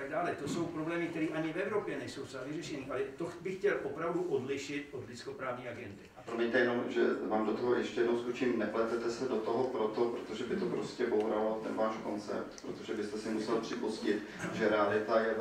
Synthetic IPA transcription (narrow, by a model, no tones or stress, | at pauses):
aɡdaːlɛt̪oso̞wpɾoblɛːmɪkt̪ɛɾiːʔaɲɪvɛvɾopjɛnɛjsowsavɪrɛʃɛniːʔalɛt̪obɪxcɛlʔopɾawduʔodlɪʃɪt̪ʔod̪lɪt͡skopɾaːvɲiːaɡɛndɪapɾomiɲt̪ɛjɛnomʒɛ̰vaːmdot̪oɦojɛʃcɛjɛdnowzut͡ʃɪnnɛplɛt̪ɛt̪ɛsɛdot̪oɦopɾot̪o̞pɾot̪oʒɛbɪt̪opɾo̞scɛbowɾalot̪ɛnvaːʃko̞nt͡sɛ̰p̚t̪pɾot̪o̞ʒɛbɪst̪ɛsɪmusɛlpr̝̥ɪpuscɪt̪ | ʒɛɾɛalɪt̪ajɛ